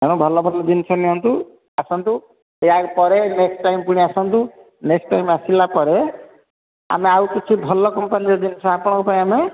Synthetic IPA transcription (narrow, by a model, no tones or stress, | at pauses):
ɦeɽ̃ɔ̃bʱɔlɔbʱɔlːɔd͡ʒinsɔneɦɔnt̪u | asɔnt̪u | eaɡpɔɾeneksʈajmpuɽ̃iasɔnt̪u | neksʈajmasilapɔɾe | a̰meawkit͡ʃʰibʱɔlɔkɔmpaniɾd͡ʒinsɔapɔɽ̃kɔpaĩame